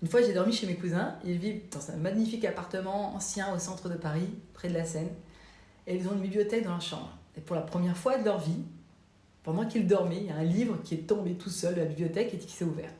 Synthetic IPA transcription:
ynfwakʒed̪ɔʁmiʃemekuzɛ̃ilvivd̪ɑ̃zɛ̰̃maɲifikapaʁt̪əmɑ̃ɑ̰̃sjɛ̃osɑ̃t̪χəd̪əpaʁipχɛd̪əlasɛn | eɛlzɔ̃ynbiblijɔt̪ɛk̚d̪ɑ̃lœʁʃɑ̰̃bʁepuʁlapχəmjɛʁfwad̪əlœʁvi | pɑ̃d̪ɑ̃kild̪ɔʁmɛjaɛ̃livʁəkʲiɛt̪ɔ̃bet̪ʰusœld̪əlabiblijɔt̪ɛkekʲi̥sɛuvɛ̰ːʁ

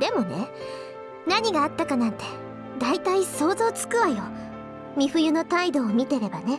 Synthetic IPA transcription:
d̪e̞mo̞ne̞̰ | naɲ̟iɡaːt̪ːakanãnt̪e̞̥ | d̪ait̪aiso̞ːzo̞ːt͡sɨ̥kɯ̟βajo̞ | mʲiɸɯ̟jɯ̟no̞t̪aid̪o̞ːmʲit̪e̞ɾe̞bane̞

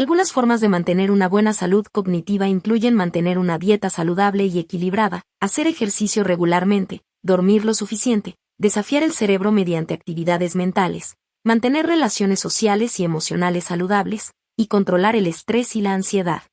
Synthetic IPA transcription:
alɣunasfo̞ɾmazðe̞mãnt̪e̞ne̞ɾunaβwe̞nasaluðko̞ɣnit̪iβaiŋkluʝe̞nmãnt̪e̞ne̞ɾunaðje̞t̪asaluðaβle̞ie̞kiliβɾaða | ase̞ɾe̞xe̞ɾsisjo̞re̞ɣulaɾmẽ̞nt̪e̞ | ðo̞ɾmiɾlo̞sufisje̞nt̪e̞ | ðe̞safjaɾe̞lse̞ɾe̞βɾo̞me̞ðjant̪e̞ak̚t̪iβiðaðe̞zmẽnt̪ale̞̰s | mãnt̪e̞ne̞ɾre̞lasjo̞ne̞sːo̞sjale̞sie̞mo̞sjo̞nale̞sːaluð̞aβle̞s | iko̞nt̪ɾo̞laɾe̞le̞st̪ɾe̞silaːnsje̞ða̰ð

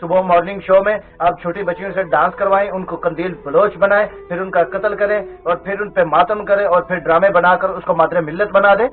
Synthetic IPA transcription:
sʊbomɔːɾnɪ̃ŋɡʃoːmẽ | aːp̚t͡ʃʰoːʈibɐːt͡ʃːijõseɖãːnskɐɾʋaːẽʊnkoqɐ̃nd̪iːlbɐloːt͡ʃbɐnaːẽpʰɪɾʊnkakɐt̪əlkɐɾẽːɔːɾpʰɪɾʊnpemaːt̪əmkɐɾẽɔːɾpʰɪɾɖɾaːmẽbɐnaːkɐɾʊskomaːt̪ɾemɪlːət̪̚bɐnaːd̪ẽː

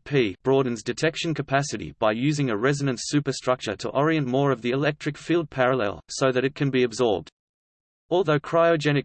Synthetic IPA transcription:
pʰib̥ɹɔdⁿn̩zdɨtʰɛkʃɨ̃n̩kʰəpʰæsɨɾḭb̥aɪjʉzɪ̃ŋɨɹɛzɨnɨ̃nsʉpəstɹ̥ʌk̚t͡ʃə̰˞ɾəʔɔɹiɨ̃nmɔːɹʌvðiɨlɛk̚tɹ̥ɨkfilˠd̚pʰæɹəlɛ̰lˠsəʊðɨɾɨt̚kʰɨ̃nbiɨbzɔːb̚d̥ | ɔlˠðəʊkʰɹ̥aɪəd͡ʒɛnɨk̚

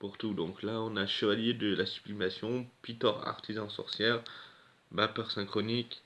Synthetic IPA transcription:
puʁt̪ud̪ɔ̃klaɔ̃naʃəvaljed̪əlasyblimasjɔ̃pit̪ɔʁa̰ʁt̪ʰizɑ̃sɔ̰ʁsjɛʁ | bapœʁsɛ̃kχɔnik

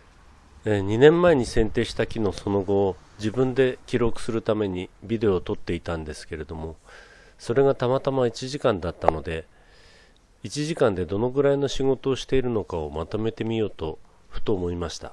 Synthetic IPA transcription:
eɲ̟inẽ̞mːae̞ɲ̟isẽ̞nt̪e̞ːɕi̥t̪akʲino̞so̞no̞ɡo̞ːd͡ʑibɯ̟̃nd̪e̞kʲiɾo̞kɯ̟̥sɨɾɯ̟t̪ame̞ɲ̟ibʲid̪e̞oːt̪o̞t̪ːe̞it̪ãnd̪e̞sɨ̥ke̞ɾe̞d̪o̞mo̞ | so̞ɾe̞ɡat̪amat̪amait͡ɕiʑikãnd̪at̪ːano̞d̪e̞ | it͡ɕiʑikãnd̪e̞d̪o̞no̞ɡɯ̟ɾaino̞ɕiɡo̞t̪o̞ːɕi̥t̪e̞iɾɯ̟no̞kaomat̪o̞me̞t̪e̞mʲijo̞ːt̪o̞ | ɸɯ̟̥t̪oːmo̞imaɕi̥t̪a̰

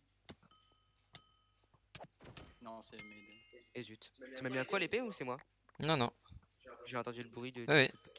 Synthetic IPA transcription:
nɔ̃sɛmẽezyt̪t̪ymambjɛ̃k̪walepeusɛmwa | nɔ̃nɔ̃ | ʒeɑ̃t̪ɑ̃d̪yləbʁɥid̪əwɛwi

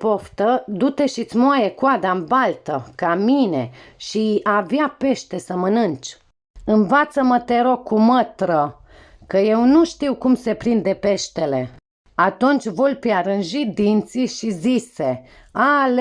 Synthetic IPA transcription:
po̞ft̪əd̪ut̪e̞ʃit̪smoajekwad̪ambalt̪əkamine̞ʃiavjape̞ʃt̪e̞səmənɨnt͡ʃʲ | ɨnvat̪səmət̪e̞ɾo̞kumət̪ɾə | kəje̞wnuʃt̪iwkumse̞pɾind̪e̞pe̞ʃt̪e̞le̞ | at̪unt͡ʃʲvolʲpeaɾɨnʒid̪int̪siʃizise̞al

